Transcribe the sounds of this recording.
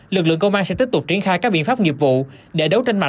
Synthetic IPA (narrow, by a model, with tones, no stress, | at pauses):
lɨ˨˩k̚lɨ̰˧˨əŋkə˧wʔaː˧nsɛ̰˧˥t̪i˦˥p̚t̪ʊ˨˩k͡p̚t͡ɕi˧˩ənxaː˧jkaː˦˥k̚ɓḭ˧˨əfaː˦˥p̚ŋi˨˩əp̚vṵ˧˨ɗe˧˩ɗə˨˦wt͡ɕe˧nma̰˧˨